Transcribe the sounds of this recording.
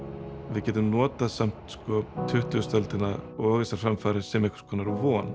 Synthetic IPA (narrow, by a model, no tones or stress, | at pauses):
vɪðcɛːt̪ʏmnɔːt̪asam̥t̪skɔt̪ʰʏht̪ʏst̪œlt̪ɪnaɔːɣðɛsaɾ̥fɾamfaːɾɪsɛmɛhkɾ̥skʰɔːnaɾvɔːn